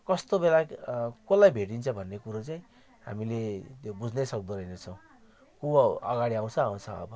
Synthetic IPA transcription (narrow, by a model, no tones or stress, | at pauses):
kʌst̪obelakolajbʱeʈ̬int͡sʰʌbʱʌnːekuɾot͡saĩ | ɦa̰milet̪jobud͡znʌsʌkd̪uɾʌinet͡sʰʌw̃ | kuʌɡaɽiaw̃t͡sʰʌaw̃t͡sʰʌ̰ʌ̰bʌ